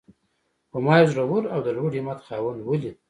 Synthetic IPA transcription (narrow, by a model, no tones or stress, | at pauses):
pəmɑjzɾawuɾawd̪əlwuɖimat̪xɑːwand̪wuli